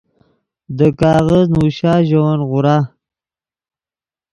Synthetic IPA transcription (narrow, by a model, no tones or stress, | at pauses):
d̪əkɑːɣaznuʃɑːʒawanɣʊɾɑː